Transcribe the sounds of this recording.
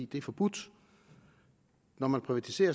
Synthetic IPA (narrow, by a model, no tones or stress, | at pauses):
ḭːd̥e̝æɐfɒ̽b̥ud̥ | nɒmænpʰʁiʋæt͡sʰi̥se̝̰ːɐ